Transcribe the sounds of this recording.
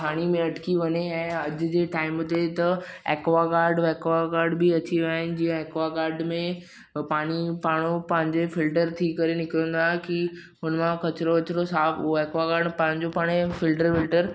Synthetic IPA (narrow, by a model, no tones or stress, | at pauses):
pʰaːɽ̃imẽɐʈkiʋɐɲeɛ̃ːɐd͡ʑʊd͡ʑeːʈaːɪmɦʊt̪et̪ɐeːkʋakaːɾɖʋeːkʋakaːɾɖbiɐt͡ɕiʋaːɦɪnɪ̆d͡ʑijə̃eːkʋakaːɾɖmẽ | paːɽ̃ipaːɽ̃opɐ̃ɦɪ̃ɲd͡ʑefɪlʈəɾt̪ʰikɐɾenɪkɾə̃nd̪aːɦeki | ɦʊnmãkɐt͡ɕɾoɐt͡ɕɪɾosaːfʊɦoeːkʋakaːɾɖpɐ̃ɦɪ̃ɲd͡ʑopaːɽ̃efɪlʈəɾfɪlʈəɾ